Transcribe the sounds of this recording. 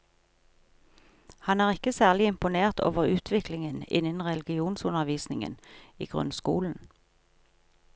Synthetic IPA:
hɑnæːʁɪkəsæːʁlɪɪmpʊneːʁt̪ʰo̰ːʋəʁʉːt̪ʰʋɪklɪŋənɪ̰nənʁɛlɡɪuːnsʊnəʋiːsnɪŋə̰nḭːɡ̥ʁʉ̰nskṵːln̩

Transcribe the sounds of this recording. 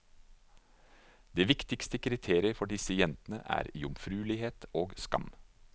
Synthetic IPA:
d̪eːʋɪkt̪ɪkst̪əkʰɾɪt̪ʰeːɾɪəɾfɔɖɪsəjɛnt̪ənə̰ʔæ̰ːɾḭːʊmfɾʉːlɪheːt̪oːɡskɑ̰m

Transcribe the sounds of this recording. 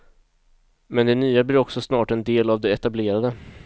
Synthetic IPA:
mɛnd̪ɛnyːabliːɾɔksɔsnɑːʈɛnd̪eːlavd̪ɛɛt̪ableːɾad̪ə

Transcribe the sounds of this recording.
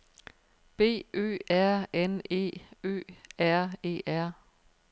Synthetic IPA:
b̥e̝̰ːø̰ːæɐ̰ene̝̰ːø̰ːæɐ̰e̝̰ːʔæɐ̰

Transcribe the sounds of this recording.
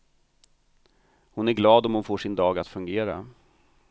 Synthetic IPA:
hʊnæɾɡlɑːd̪ɔmhʊnfoːʂɪnd̪ɑːɡat̪fɵŋɡeːɾa̰

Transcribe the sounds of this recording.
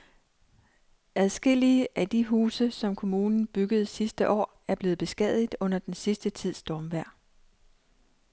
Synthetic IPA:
ʔæð̞ˠsɡ̥e̝l̰iəʔæd̥iɦuːsəsɒ̽mkʰo̝muːnn̩b̥yɡ̥əð̞̩ˠsisd̥əʔɒ̰ː | æɐb̥le̝ːð̩ˠb̥e̝sɡ̥ɛð̰ˠid̥ˠɔ̽n̰ɐd̥ensisd̥ət͡sʰið̞̰ˠsd̥ɒːmʋæɐ̰

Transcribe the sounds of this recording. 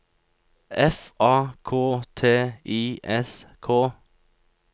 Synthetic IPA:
ʔɛfʔɑːkʰoːt̪ʰeːʔiːʔɛskʰoː

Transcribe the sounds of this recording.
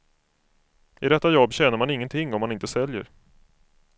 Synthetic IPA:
ɪd̪ɛt̪ːajɔbːɕɛːnəɾmanɪŋːənt̪ʰɪŋːɔmːanɪnt̪əsɛljəɾ

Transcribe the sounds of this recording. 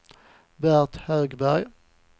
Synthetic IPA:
bæʁt̪høːɡbæɾj

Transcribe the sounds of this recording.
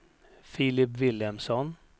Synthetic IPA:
fiːlɪpvɪlɛmsɔn

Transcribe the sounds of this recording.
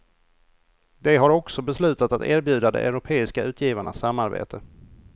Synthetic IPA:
d̪ɛɦaɾɔksɔbɛslʉ̟ːt̪at̪at̪æ̰ːɾbjʉ̟ːd̪ad̪ɛ̰ʔœ̰ɾʊpʰeːɪskaʉ̟ːt̪ʰjiːvaɳa̰sːamːaɾbḛːt̪ʰə

